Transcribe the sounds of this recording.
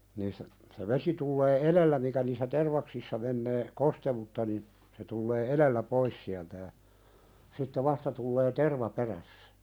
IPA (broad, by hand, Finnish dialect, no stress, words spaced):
niːstæ se ʋesi tulːeː elelːæ mikæ niːsːæ terʋɑksisːɑ menːeː kostewutːɑ nin se tulːeː elelːæ pois siæltæ jɑ sitːe ʋɑstɑ tulːeː terʋɑ peræsːæ̥